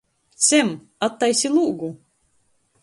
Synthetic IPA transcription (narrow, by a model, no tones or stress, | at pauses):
t̪sʲem | at̪ːajsʲilˠuːɡu